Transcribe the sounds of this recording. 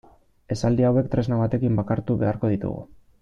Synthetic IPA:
e̞sald̪iawe̞k̚t̪ɾe̞znaβ̞at̪e̞kimbakaɾt̪uβe̞aɾko̞ð̞it̪ṵɣṵ

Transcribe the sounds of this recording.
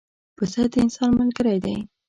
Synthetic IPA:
pəsad̪əɪnsɑnməlɡəɾajd̪a̰j

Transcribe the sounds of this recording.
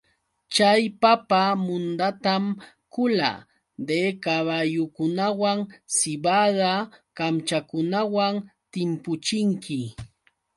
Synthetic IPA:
t͡ʃajpapamʊnd̪at̪am | kʊla̰ | d̪ekaβajʊkʊnawaŋsɪbaðakamt͡ʃakʊnawaŋt̪ɪmpʊt͡ʃɪŋkʰɪ

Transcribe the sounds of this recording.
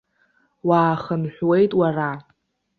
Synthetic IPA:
waːχənħʷᶣwe̞jtʼwara

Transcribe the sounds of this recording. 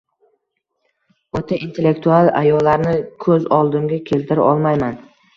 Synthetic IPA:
ot̪ʰaʔint̪ʰe̞lːe̞kt̪ʰualˠa̰jɒlːaɾnɪkʰɵzɒlˠd̪ɪmɡʲakʲʰe̞lt̪ʰɪɾa̰ʔɒlˠmajman

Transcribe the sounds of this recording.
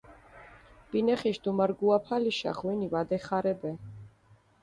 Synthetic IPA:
b̥inɛχiʃd̪umaɾɡuapʰaliʃa̰χwinivad̪ɛχaɾɛbɛ

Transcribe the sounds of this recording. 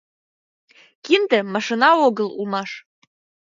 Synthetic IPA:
kʲind̪əmaʂɨnaoɡəlˠṵmaʂ

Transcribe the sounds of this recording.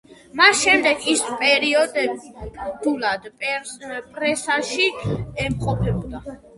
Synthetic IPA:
masʃɛmd̪ɛkʰispʼɛɾiɔd̪ɛ | d̪ulad̪pʼpʼɾɛsaʃiɛmχʼɔpʰɛbɔd̪a

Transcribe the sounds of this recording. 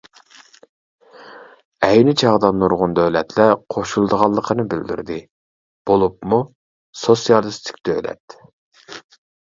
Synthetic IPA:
ɛjnɪt͡ʃʰɑʁd̪ɑnːuɾʁʊnd̪øwlɛt̪lɛqʰoʃulˠd̪əʁɑlˠːəqʰənɨbɪld̪y̰ɾd̪ɪ | b̥olˠup̚mu | sosijɑlˠɨst̪ʰɪ̥kʲd̪ølɛ̰t̪

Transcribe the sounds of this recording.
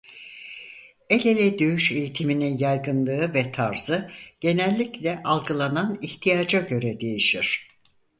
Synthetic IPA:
e̞lʲelʲɛd̪øyʃe̞jit̪ʰimininjajɡɯnlˠɯɯvɛt̪ʰaɾz̥ɯɟ̥e̞nælʲːiclʲɛʔalˠɡɯlˠananiçt̪ʰijaːd͡ʒaɟø̞ɾɛd̪e̞jiʃiɾ̝̥

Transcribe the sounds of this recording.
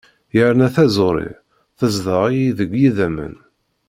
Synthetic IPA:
jəɾnæθæzoɾˤḭ | θəzðˤəʁiiðəɡjiðæmə̰n

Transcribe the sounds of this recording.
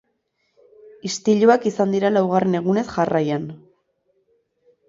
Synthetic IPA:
ist̪iʎuakisand̪iɾalawɣare̞ne̞ɣ̞une̞sʝarajan

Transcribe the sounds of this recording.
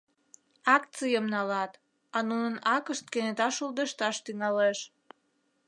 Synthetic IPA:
ɑktt͡sɨjəmnɑlɑt̪ | ɑnunənɑkəʃt̪̚kenet̪ɑʃuld̪əʃt̪ɑʃt̪yŋɑleʃ

